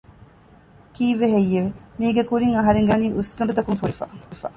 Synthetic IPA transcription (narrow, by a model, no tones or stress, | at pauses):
kiːʋeɦejːeʋemiːɡekuɾiŋɐɦɐɾeŋɡaniːʔuskɐɳɖut̪ɐkuŋfuɾifa̰ifa̰